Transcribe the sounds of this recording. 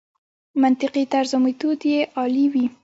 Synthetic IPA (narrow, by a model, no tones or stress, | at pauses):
mant̪ɪqit̪aɾzʊmit̪od̪jeʔɑliwi